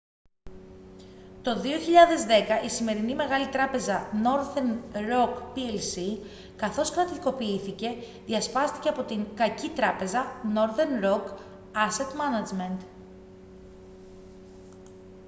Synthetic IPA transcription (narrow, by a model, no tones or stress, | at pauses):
t̪o̞ðio̞çiʎɐðe̞zðe̞kɐʔisime̞ɾinime̞ɣɐlit̪ɾɐpe̞zɐno̞ɾðenɾo̞kpielsi | kɐθo̞skɾɐt̪iko̞piiθice̞ | ðiɐspɐst̪i̥ce̞ɐpo̞t̪iŋkɐcit̪ɾɐpe̞zɐno̞ɾðenɾo̞k | ɐse̞t̪mɐnɐd͡zment̪